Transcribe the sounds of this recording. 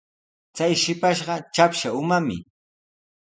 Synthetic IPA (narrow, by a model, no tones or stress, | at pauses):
t͡sajʃɪpaʃɢɑt͡ʃapʃaʊmamɪ̰